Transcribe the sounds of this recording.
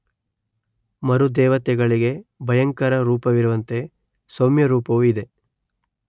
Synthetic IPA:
mɐɾud̪ɛːʋɐt̪jɛɡɐɭiɡe̞bʱɐjɐŋkɐɾɐɾuːpɐʋiɾuʋɐnt̪e̞ | somjɐɾuːpɐʋuid̪e̞

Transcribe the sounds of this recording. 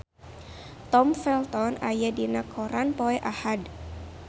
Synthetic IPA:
t̪ɔmfɛlt̪ɔnajadinakʰoɾanpoɛʔahad

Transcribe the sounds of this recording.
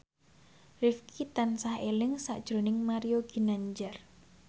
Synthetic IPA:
rifkʰit̪ansahelɪŋsa̰ʔd̥ʒ̥ɾo̤nɪŋmaɾioɡ̥i̤naɲd͡ʒar

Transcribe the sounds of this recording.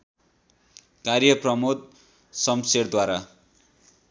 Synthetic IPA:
karjʌprʌmod̪̚ | sʌmseɽd̪waɾa

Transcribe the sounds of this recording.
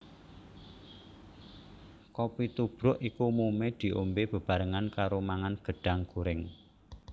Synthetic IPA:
kɔpit̪ub̥ɾʊʔikumomed̪̥i̤ʔombeb̥ə̤b̥a̤ɾəŋankaɾomaŋanɡ̥ə̤ɖ̥a̤ŋɡ̥uɾɪŋ

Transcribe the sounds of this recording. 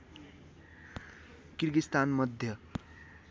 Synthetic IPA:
kirɡist̪anmʌd̪ʱjʌ

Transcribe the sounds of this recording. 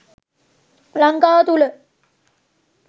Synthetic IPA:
laŋkaːt̪ulə

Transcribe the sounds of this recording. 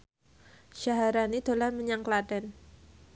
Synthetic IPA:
ʃaɦaɾanid̪̥o̤laməɲaŋkladɛn

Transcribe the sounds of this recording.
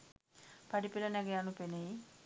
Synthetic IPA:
paɖipilɐnɛɡejanupenei

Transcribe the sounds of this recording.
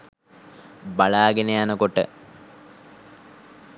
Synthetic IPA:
baɭaːɡenejanəkoʈə̰

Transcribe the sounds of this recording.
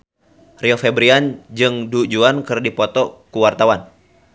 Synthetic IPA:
riɔfɛbɾiand͡ʒɨŋdud͡ʒuankɨrdipɔt̪ɔkuwart̪awan

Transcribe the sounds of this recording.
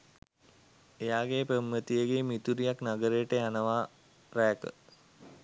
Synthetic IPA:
ejaːɡepəmːət̪ijəɡeːmit̪uɾijaknaɡəɾejəʈəjanəʋaː | ɾækə̰

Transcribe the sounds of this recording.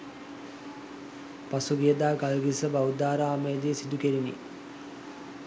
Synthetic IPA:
pasuɡijəd̪aːɡalɡisəbawd̪aːɾaaːmejəd̪ijesid̪ukeɾinḭ

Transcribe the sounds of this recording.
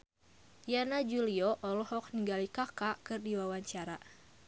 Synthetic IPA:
janad͡ʒuliɔʔɔlɔhɔk̚niŋɡalikakakɨrdiwawaɲt͡ʃaɾa

